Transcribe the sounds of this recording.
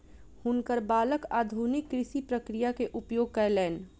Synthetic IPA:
hʊnkəɾbaːləkaːd̪ʱunɪkːɾɪʃipɾəkɾijakeʔʊpjoːɡ̚kalɛːn

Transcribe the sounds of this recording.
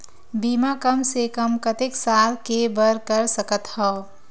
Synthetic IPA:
biːmakəmsekəmkət̪eksaːlkebəɾkəɾsəkət̪hɔː

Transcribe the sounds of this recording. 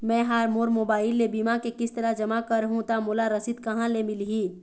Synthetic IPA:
mɛ̃ːɦaːɾmoːɾmoːbaːɪlːebiːmakekɪst̪ɐɾad͡ʒɐmakəɾɦũt̪amoːlaɾɐsid̪kɐɦãlemɪlɦiː

